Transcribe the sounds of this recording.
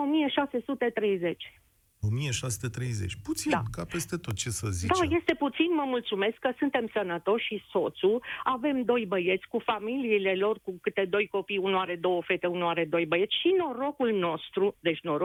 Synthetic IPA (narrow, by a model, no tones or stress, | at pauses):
o̞mije̞ʃase̞sut̪e̞t̪ɾe̞jze̞t͡ʃʲ | omijeʃasut̪et̪ɾejzet͡ʃʲput̪sid̪na̰kape̞st̪e̞t̪o̞t̪̚t͡ʃesəzid̪aje̞st̪eput̪sinməmult̪sume̞skːəsɨnt̪e̞msənət̪o̞ʃʃiso̞t̪suave̞md̪o̞jbəje̞t̪sʲkufamiliːle̞lo̞rkukɨt̪e̞d̪o̞jko̞pijunuaɾe̞d̪o̞wəofe̞t̪eunuaɾe̞d̪o̞jbəje̞t̪sʲʃino̞ɾo̞kulno̞st̪ɾud̪e̞t͡ʃʲnoɾo